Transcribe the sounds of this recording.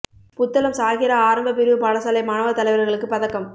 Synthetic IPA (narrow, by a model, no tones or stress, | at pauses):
pʊt̪ːɐlɐmsaːɣɪɾɐaːɾɐmbɐp̬ɪɾɯʋɯpɐɻɐsɐlɐɪmɐnɐʋɐt̪ːɐlɐɪʋɐɾɐɾɣɐɭɯkːɯpɐðɐkːɐm